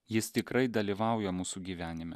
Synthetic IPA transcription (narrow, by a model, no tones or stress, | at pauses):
jɪst̪ʲɪkɾɐɪd̪ɐlʲiʋɑˑʊjɛmuːsuːɡʲiːʋʲæːnʲɪmʲɛ̰